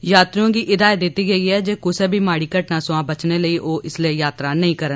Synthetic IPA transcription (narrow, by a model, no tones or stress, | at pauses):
jaːt̪ɾiõːɡiːʔɪd̪aːjəd̪ɪt̪ːiːɡəiːɦɛːd͡ʒeːkʊseːbʱiːmaːɽiːkəʈnãːsʊãːbət͡ʃneːləiːʔoːʔɪsleːjaːt̪ɾaːnəɦĩːkəɾən